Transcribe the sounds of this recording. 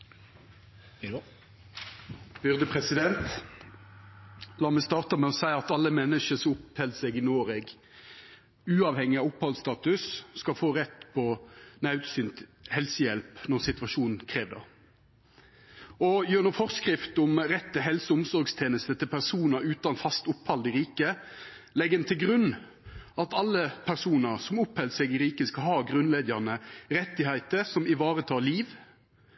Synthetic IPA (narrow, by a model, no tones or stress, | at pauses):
b̥ʏʁd̪əpʰʁɛsɪd̪ɛnt̪ | lɑːmɛst̪ɑːʁt̪əmɛɔsæɪɑt̪ɑlːəmɛnːəʃəsɔʊphɛlsɛɡɪnoːʁɛɡ | ʉːɑːʋhɛŋːɪɑːʋʊphɑlst̪ɑːt̪ʉsskɑlfoːʁɛt̪ːpʰɔnɑʉt̪syːnt̪hɛlsəjɛlpnɔʁsɪt̪ʋɑʃuːnn̩kʰʁeːʋd̪ɑ̰ | ɔjøːnɔfɔʁskʁɪft̪ʊmʁɛt̪ːəɦɛlsəʊmsɔɾɡst̪ʰeːnəst̪ət̪ʰɪlpʰæʁsuːnəʉːt̪ɑnfɑst̪ʊphɑld̪ɪɾiːkə | lɛɡənt̪ʰɪlɡʁʉnː | ɑt̪ɑlːəpʰæʁsuːnəʁsɔmʊphɛlsɛɡɪɾiːkəskɑlhɑːɡʁʉnleːd̪jɑʁnəɾɛt̪ːɪhæɪt̪əsɔmɪʋɑːʁət̪ʰɑːliːʋ